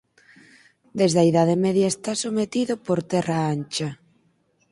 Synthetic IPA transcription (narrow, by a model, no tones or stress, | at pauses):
d̪ezðɐiðaðemɛðjaɐest̪asomet̪iðʊpoɾt̪ɛraant͡ʃa